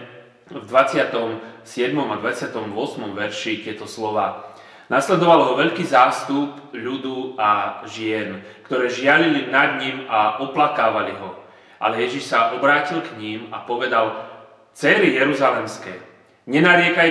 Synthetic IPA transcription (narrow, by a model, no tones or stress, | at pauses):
vd̪ʋat͡sɪat̪ɔmsɪɛd̪mɔmad̪ʋat͡sɪat̪ɔmʋʊɔsmɔmʋɛɾʃit̪ɪɛt̪ɔslɔʋaː | naslɛd̪ɔʋalɦɔʋɛʎkiːzaːst̪upʎud̪uaʒɪɛnkt̪ɔɾɛːʒɪalilinad̪ɲimaʔɔplakaːʋaliɦɔ | ʔa̰lɛjɛʒiʃsaʔɔbɾaːcilkɲimapɔʋɛd̪al | t͡sɛɾijɛɾuzalɛmskɛː | ɲɛnaɾɪɛka